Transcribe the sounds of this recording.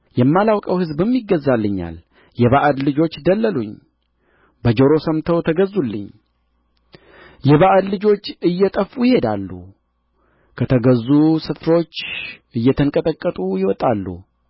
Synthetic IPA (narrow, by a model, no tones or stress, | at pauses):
jɛmːalawkʼəwhɨzbɨmːiɡəzːalːɨɲːa̰l | jɛβaʔəd̪lɨd͡ʒo̞t͡ʃːd̪əlːəluɲː | bəd͡ʒoɾo̞səmt̪ʰəwt̪ʰəɡəzːulːɨɲ | jɛβaʔəd̪lɨd͡ʒo̞t͡ʃːɨjːɛt̪ʼəfːujɪhe̞d̪alːṵ | kʰət̪ʰəɡəzːusɨfɾo̞t͡ʃːɨjːɛt̪ʰəŋkʼət̪ʼəkʼːət̪ʼujɪwɔt̪ʼalːṵ